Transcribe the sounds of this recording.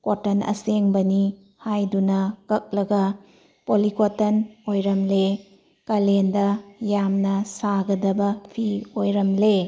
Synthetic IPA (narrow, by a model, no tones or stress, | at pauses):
kotɐnɐ̰seŋbɐni | hajdunɐkɐk̚lɐɡɐ | polikotɐnojɾɐmle | kɐlendɐjamnɐsaɡɐdɐbɐpʰiojɾɐmle